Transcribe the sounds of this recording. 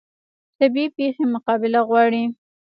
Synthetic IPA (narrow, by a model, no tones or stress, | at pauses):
t̪abipexemʊqɑbɪlaɣwɑɽi